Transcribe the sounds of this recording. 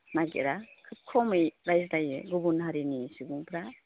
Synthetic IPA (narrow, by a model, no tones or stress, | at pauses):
naɡḛɾakʰɯt̚kʰɔmɯjɾajzdajɯ̰ɡubunɦaɾinisiɡuŋpʰɾa